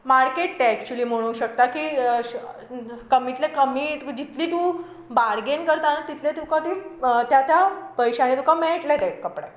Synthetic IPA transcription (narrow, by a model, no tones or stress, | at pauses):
maɾkeʈːeɛk̚t͡ɕuliːm̤əɽ̃uːɕək̚t̪akiː | kəmit̪lekəmiːt̪ud͡ʑit̪ʰliːt̪u | baɾɡenkəɾt̪anət̪ːit̪ʰlẽt̪ukat̪iːt̪jat̪japəjɕãĩt̪ukameɭʈ̪let̪ɛkəpɽa